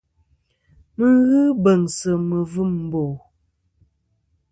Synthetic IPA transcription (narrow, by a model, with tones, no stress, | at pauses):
mə˦ɣɨ˦bə˨ŋsə˨mə˨vɨ˦˨m̩˨bo˨